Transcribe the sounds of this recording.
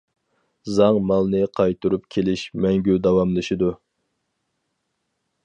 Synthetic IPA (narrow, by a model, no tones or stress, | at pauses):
zɑŋmɑlˠnɨqʰɑjt̪ʰuɾupkʲʰelɪʃmɛŋɡʲyd̪ɑwɑmlˠɨʃid̪u